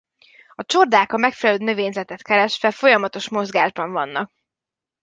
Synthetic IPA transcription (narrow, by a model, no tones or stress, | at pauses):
ɒt͡ʃord̪aːkɒmɛkfɛlɛløːnø̞veːɲzɛt̪ɛt̪kɛɾɛʃfɛlfo̞jɒmɒt̪o̞ʃmo̞zɡaːʒbɒɱvɒnːɒk̚